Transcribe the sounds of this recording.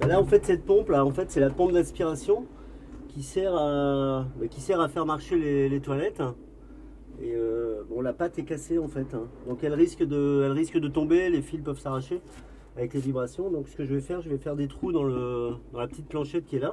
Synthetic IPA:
balaɑ̃fɛt̪sɛt̪̚pɔ̃plaɑ̃fɛt̪sɛlapɔ̃p̚d̪ɛ̃spiʁasjɔ̃ | kʲisɛʁabɛkʲisɛʁafɛʁmaʁʃelelet̪walɛt̪ | eøbɔ̃lapat̪ɛkaseɑ̃fɛt̪ɛ̃d̪ɔ̃kɛlʁiskd̪əɛlʁiskd̪ət̪ɔ̃belefilpœvsaʁaʃe | avɛklevibʁasjɔ̃d̪ɔ̃ksə̥kəʒəvɛfɛʁʒəvɛfɛʁd̪et̪χud̪ɑ̃ləd̪ɑ̃lapə̥t̪it̪̚plɑ̃ʃɛt̪̚kʲiɛla

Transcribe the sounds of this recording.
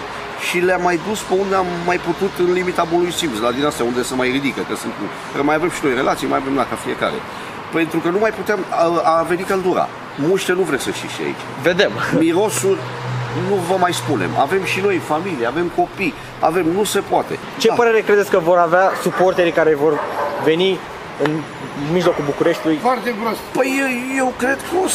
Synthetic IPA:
ʃileamːajd̪uspeund̪eamːajput̪ut̪ɨnlimit̪abunlujsimsd̪ad̪inast̪jaund̪e̞səmajrid̪ikəkesɨnt̪um | əkəmajave̞mʃino̞jre̞lʔat̪sijma̰jave̞mlakafie̞̰ka̰ɾḛ | pe̞nt̪ɾukənumajput̪eemave̞nikəld̪uɾa̰ | muʃt̪enuvɾesəʃt̪iʃia̰ḭt͡ʃ | ved̪e̞mmiɾo̞surʲ | nuvəmajspunḛma̰ve̞mʃino̞jfamilijeave̞mko̞pi | a̰ve̞mnuse̞poat̪e̞̰ | dt͡ʃe̞apəɾeɾe̞kɾed̪esʲkəvo̞ɾaveasuport̪eɾkaɾe̞vo̞rve̞ni | ɨn | miʒlo̞kulbukuɾeʃt̪ilujfoart̪eɡɾost̪pəjje̞wkɾe̞d̪kəo

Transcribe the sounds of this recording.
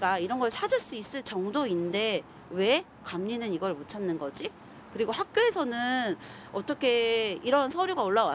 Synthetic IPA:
kaiɾʌnɡʌɭt͡ɕʰad͡ʑɯɭs͈uis͈ɯɭt͡ɕʌŋdoinde̞ | we̞ | kamɲinɯniɡʌɭmot͡ɕʰanːɯnɡʌd͡ʑi | kɯɾiɡohak̚k͈joe̞sʰʌnɯn | ʌt͈ʌkʰe̞iɾʌnsʰʌɾjoɡaoɭːawa

